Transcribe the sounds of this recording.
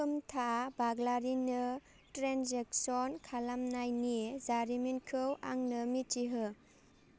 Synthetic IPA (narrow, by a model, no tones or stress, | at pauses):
ɯmtʰabaɡlaɾinɯ | tɾenzek̚sɔnkʰalamnajniezaɾiminkʰɯwaŋnɯmit͡ʃiɦɯ